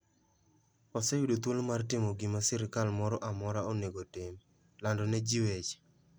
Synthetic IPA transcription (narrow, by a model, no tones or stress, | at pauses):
ɔsɛjudot̪wolmartɪmɔɡimasɛɾɪkalmɔɾɔʔamɔɾaoneɡotɪm | landɔnɛd͡ʒiwet͡ʃ